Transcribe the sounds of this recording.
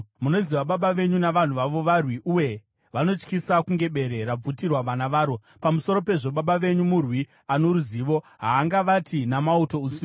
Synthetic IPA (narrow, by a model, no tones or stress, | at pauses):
muno̞ziʋaɓaɓaʋe̞ɲunaʋan̤uʋaʋo̞ʋarwiʔuje̞ | ʋano̞t͡ʃkisakuŋɡe̞ɓe̞ɾe̞ɾab͡vutirwaʋanaʋaːɾo̞ | pamuso̞ɾo̞pe̞ʐo̞ɓaɓaʋe̞ɲumurwi | ano̞ɾuziʋo̞ | ɦaːŋɡaʋatʰinamauto̞usi